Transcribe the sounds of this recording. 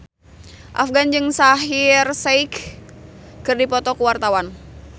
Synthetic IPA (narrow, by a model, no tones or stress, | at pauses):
ʔafɡand͡ʒɨŋsaɦirsɛik | kɨrdipɔt̪ɔkuwart̪awan